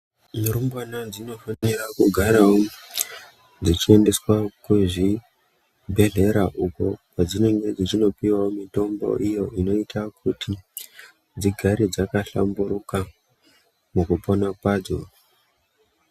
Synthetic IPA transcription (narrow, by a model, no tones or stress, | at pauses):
muɾumbwanad͡zino̞fanerakuɡʱaɾao | d͡zit͡ʃie̞nde̞swakuʐi | bʱe̞ɮe̞ɾaʔukokwad͡zine̞ŋwe̞d͡zit͡ʃino̞piwaomito̞mbo̰ʔijo̞ino̞itʰak̚ʰutʰi | d͡ziɡʱaɾid͡zakaɬa̰mbuɾuka | mukupo̞napaːd͡zo̰